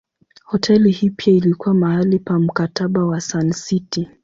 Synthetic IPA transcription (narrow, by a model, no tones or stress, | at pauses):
hɔtʰɛlihipiailikuwamaalipam̩kataɓawasansiti